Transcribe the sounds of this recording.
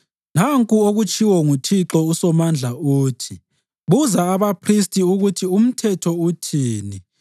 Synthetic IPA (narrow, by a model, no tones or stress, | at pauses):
naŋkʼuoɣut͡ʃʼiwɔŋutʰiǁɔusɔmand͡ɮʱauːtʰi | βuzaːβapʰris̬tʼiuɣutʰium̩tʰɛtʰɔutʰiːni